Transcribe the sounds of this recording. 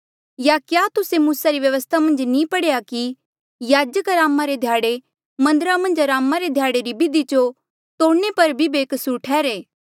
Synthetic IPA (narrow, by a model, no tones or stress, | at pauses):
jakjaːt̪ʊsemuːsaɾiʋjɐʋəst̪ʰamɐ̃nd͡ʒnĩpɐɽeːjaki | jaːd͡ʒəkɾaːmːaɾed̪ʱjaːɽe | mɐ̃nd̪əɾamɐ̃nd͡ʒɾaːmaɾed̪ʱjaːɽeɾibɪd̪it͡ʃo | t̪oːɽnepɐɾbʱibeːksʊɾʈʰɛːɾeː